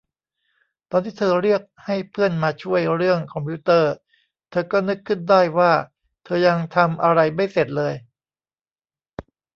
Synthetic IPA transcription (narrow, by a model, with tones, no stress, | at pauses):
t̪ɔː˧nt̪ʰiː˥˩t̪ʰɤː˧ɾi˥˩ək̚ha˥˩jpʰɯ˥˩ənmaː˧t͡ɕʰu˥˩əjɾɯ˥˩əŋkʰɔ˧mpʰi˦˥t̪ɤː˥˧˩ | t̪ʰɤː˧kɔː˥˩nɯ˦˥kʰːɯ˥˩ndaː˥˩jwaː˥˩ | t̪ʰɤː˧ja˧ŋt̪ʰa˧mʔa˧ɾa˧jma˥˩jse˨˩t̪̚lɤː˧j